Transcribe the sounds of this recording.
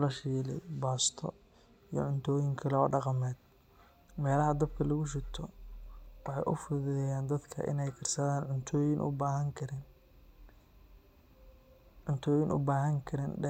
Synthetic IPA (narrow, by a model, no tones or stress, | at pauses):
lɐʃiːlɛjbaːst̪ʰɔ | ijɞ̰ʕʊnt̪ʰɔːjɪŋkʰɐl̰ːɖɑqɑmɛːd̪̚ | mɛːlɐɦɐd̪ɐb̚kʰɐlɐɣʊʃɪt̪ʰɔ | wɑħɑjʔʊfʊðɛjaːnd̪ɐd̪kʰɐ̰ʔɪ̰nɛjkʰɐrsɐðaːnʕʊnt̪ʰɔːjɪnʔʊ̰baɦɐŋkʰɐɾɪn | ʕʊnt̪ʰɔːjɪnʔʊ̰baːɦɐŋkʰɐɾɪnɖɛ